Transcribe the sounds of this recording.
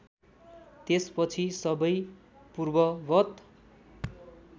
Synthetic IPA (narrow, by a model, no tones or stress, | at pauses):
t̪espʌt͡sʰisʌbʌj | purbʌbʌt̪